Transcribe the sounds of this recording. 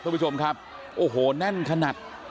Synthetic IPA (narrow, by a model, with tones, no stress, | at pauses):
a˥˩˨pʰːt͡ɕʰo˧mkʰa˦˥p̚ | ʔoː˨˩ɦoː˨˩˦nɛ˥˩nkʰa˧na˨˩t̪̚